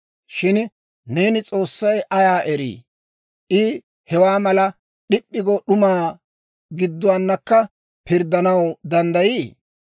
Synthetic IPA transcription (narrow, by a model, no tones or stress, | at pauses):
ʃɪn | ne̞ːnɪt͡sʼo̞ːsːɐjʔɐjaːʔɛɾḭː | ʔɪ | hɛwaːmɐlɐ | ɗɪpʼːɪɡoɗʊmaː | ɡɪd̪ːʊwanːɐkːɐ | pɪɾd̪ːɐnɐwd̪ɐnd̪ɐjiː